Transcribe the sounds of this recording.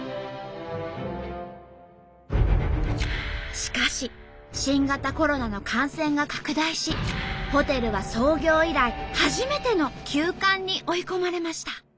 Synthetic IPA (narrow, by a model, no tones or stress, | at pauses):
ɕi̥kaɕi | ɕĩŋɡat̪ako̞ɾo̞nano̞kʰãɰ̃sẽ̞ŋɡakḁkɯ̟d̪aiɕiho̞t̪e̞ɾɯ̟β̞aso̞ːɡʲo̞ːiɾaihaʑime̞t̪e̞no̞kʲʰɨːkãɲ̟ːiʔo̞iko̞maɾe̞maɕi̥t̪a